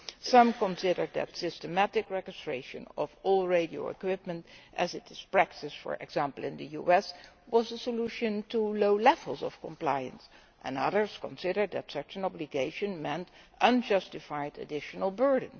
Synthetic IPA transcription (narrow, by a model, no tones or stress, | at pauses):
sʌ̃mkə̃nsɪɾə˞d̪̚ðɨ̰tsɪstəmætɪkɹɛd͡ʒɪstɹ̥eɪʃɨ̰̃nʌvɔlˠɹeɪɾio̰ʊɪ̰kwɪp̚mə̃ntʔɨ̰zɪtɪz̥pɹæk̚tɪsfə̰ɹʔɛ̰ɡz̥æ̃mpəl̩ˠɪ̃ndɨjuɛswʌzəsəluʃɨ̃ntʰuloʊlɛvl̩ˠzɔ̰fkə̃mplaɪɨ̰̃ns | ʔə̰̃nʌ̰ðə˞zkɔ̃nsɪɾə˞d̚ðɨtsʌt͡ʃɨ̃nɑbliɡeɪʃɨ̃nmɛ̃ntʔʌ̃nd͡ʒʌstɪfaɪdɨ̰dɪʃənəl̩ˠbɜ˞dən̩